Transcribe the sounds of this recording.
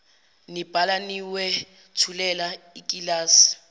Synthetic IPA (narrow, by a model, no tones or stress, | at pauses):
nib̥ʱalaniwɛ | tʰulɛlaikʼilaːsi̥